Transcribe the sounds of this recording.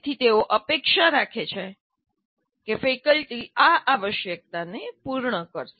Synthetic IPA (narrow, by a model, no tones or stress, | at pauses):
t̪ʰit̪eoʔəpekʃaɾakʰet͡ʃʰe | kefekəlʈiaʔaʋəʃjək̚t̪anepuɾɳəkəɾʃe